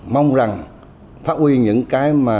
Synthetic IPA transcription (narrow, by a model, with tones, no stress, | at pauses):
ma˧wŋ͡mza˨˩ŋ | faː˦˥t̚hwi˧ɲɨ̰˧˥ŋkaː˨˦jmaː˨˩